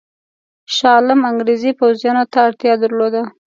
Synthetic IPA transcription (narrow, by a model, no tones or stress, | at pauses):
ʃɑlɪmaŋɡɾezipawzjɑnot̪aːɽt̪jɑd̪aɾlod̪a